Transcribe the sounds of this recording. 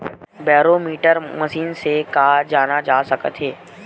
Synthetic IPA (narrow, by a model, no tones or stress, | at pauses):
bɛːɾoːmiːʈəɾməʃiːnsekaːd͡ʒaːnad͡ʒaːsɐkət̪ɦeː